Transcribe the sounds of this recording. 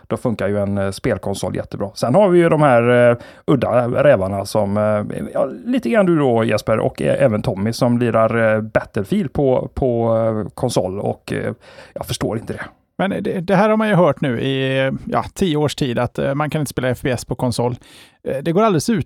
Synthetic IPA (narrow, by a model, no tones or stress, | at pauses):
d̪̥ɔfɵŋkːaɾjɵɛnspeːlkʰɔnsɔ̰ljɛ̰t̪ʰːəbɾɑːsɛnhaɾvɪjɵd̪ɔmhæːɾɵd̪ːa̰ɾɛːvaɳasɔmɛ̰jɑːliːt̪əɡɾanːd̪ɵd̪ɔjɛ̰spəɾʔɔ̰kɛɛːvənt̪ʰɔmːɪsɔmliːɾaɾbɛt̪ːəlfiːlpʰɔpʰɔkʰɔnsɔ̰lːɔ̰kjɑ̰ːfœʂʈoːɾɪnt̪əd̪ɛ | mɛnd̪ɛd̪ɛɦæːɾhaɾmanjɵɦœːʈnʉ̟ːʔɪjɑ̰ːt̪ʰiːəoːʂʈʰiːd̪at̪mankʰanɪnt̪əspeːlaɛfbeɛsːpʰɔkʰɔnsɔlː | d̪ɛɡoːɾald̪ɛlɛsʉ̟ːt̪